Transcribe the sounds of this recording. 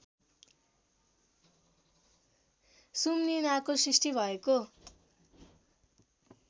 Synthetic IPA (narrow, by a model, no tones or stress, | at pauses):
sumninakosrisʈibʱʌeko